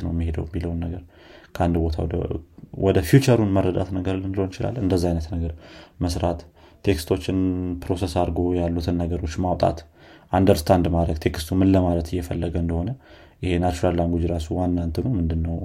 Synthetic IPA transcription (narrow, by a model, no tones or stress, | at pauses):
nəwjmːihe̞d̪ə̰wjmːiləwnːəɡəɾ | kʰəʔand̪bo̞t̪ʰa̰w̰ | wʔɔd̪əfjut͡ʃəɾunmərːəd̪a̰t̪nəɡəɾlɨnɨlho̞nɪt͡ʃɪla̰lːnɨnd̪əzːaajnət̪nəɡəɾməsɾat̪ʰː | e̞kst̪ʰo̞t͡ʃːɪnpɾo̞sesaɾɡo̞jalːut̪ʰɨnːəɡəɾo̞t͡ʃːmawt̪ʼa̰t̪ | ʔand̪əɾst̪ʰand̪mad̪ɾəɡt̪ʰe̞kst̪ʰumɨnləmalət̪ʰɨjːɛfəlːəɡəɨnd̪əho̞nə | jɪhe̞nat͡ʃuɾallaŋɡʷud͡ʒiɾasuwanːant̪ʰɨnumɨnd̪ɨnːəw